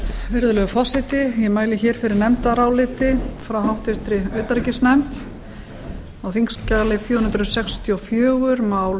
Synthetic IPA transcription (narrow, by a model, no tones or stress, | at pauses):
vɪɾðʏlɛɣʏfaːsɪt̪ɪjɛmaːjlɪçɛːɾ̥fɪɾɪɾnɛmt̪aɾaːwlɪːt̪ɪfɾawɦawht̪ɪft̪ɾɪœɥt̪aɾcɪsnɛmt̪ | awθiŋscalɪfjuːnnt̪ɾʏsɛkst̪ʰiɔfjœːɣʏɾmawl